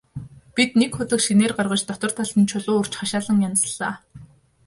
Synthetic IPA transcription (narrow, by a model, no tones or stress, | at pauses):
pit̪̚nekxʊt̪ə̆kʃineːrɢarʁə̆t͡ɕt̪ɔt̪ɞ̆r̥t̪ʰaɮə̆nt͡ɕʰʊɮʊːɵr̥t͡ɕχaʃaːɮə̆ŋjan̆sɮaː